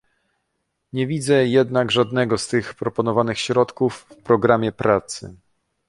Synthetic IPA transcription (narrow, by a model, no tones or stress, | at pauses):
ɲɛvʲid̪zɛjɛd̪naɡʐad̪nɛɡɔst̪ɘxpɾɔpɔnɔvanɘxɕɾɔt̪kufːpɾɔɡɾamʲjɛpɾat̪sɘ̰